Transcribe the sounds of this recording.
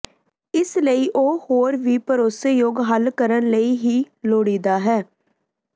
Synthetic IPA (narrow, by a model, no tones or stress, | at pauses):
ɪsləiːʔoːhoːɾʋiːpəɾoːseːjoːɡɦəlkəɾənləiːɦiː | loːɽiːd̪aːɦɛː